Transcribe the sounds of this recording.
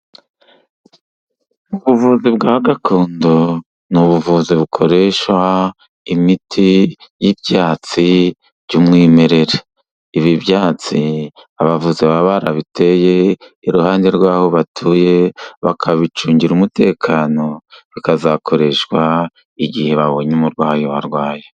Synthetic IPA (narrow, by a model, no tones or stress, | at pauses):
uβuvuzibɡaːβaɡatʰoːndo | nuβuvuziβukʰo̞ɾe̞ʃwa | imitʰijibjaːt͡si | b̥ɟumŋime̞ɾe̞ɾeː | βiβjaːt͡si | aβavuziβaβaɾaβite̞je̞iɾuhaːnde̞ɾɡwaːho̞βatʰuje̞βa̰kʰaβit͡ʃuːɲɟiɾumute̞ːkʰano̞βikazakʰo̞ɾe̞ʃwa | iɡihe̞βaβo̞ɲumuɾɡwaːjowaɾɡwaːje